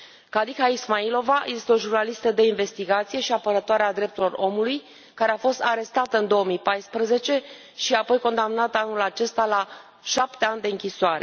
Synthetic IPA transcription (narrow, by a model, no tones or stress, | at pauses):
kad̪ixaismailo̞vajjest̪eo̞ʒurnalist̪əd̪e̞inve̞st̪iɡat̪sije̞ʃiapəɾət̪oaɾead̪ɾe̞p̚t̪ulo̞ro̞muluj | kaɾe̞afo̞st̪aɾe̞st̪at̪əɨnd̪o̞omijpajspɾəze̞t͡ʃe̞ | ʃiapo̞jko̞nd̪amnat̪əanulat͡ʃe̞st̪ala | ʃap̚t̪e̞anʲd̪e̞ɨŋkʲisoaɾe̞̰